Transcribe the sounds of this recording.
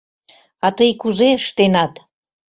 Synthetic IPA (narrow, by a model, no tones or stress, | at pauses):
ɑt̪əjkuzeəʃt̪enɑt̪